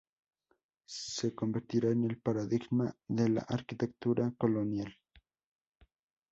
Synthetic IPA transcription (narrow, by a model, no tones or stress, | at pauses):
sekombeɾt̪iɾaenelpaɾaðiɣmaðela̰ʔaɾkit̪ek̚t̪uɾʔakolonjal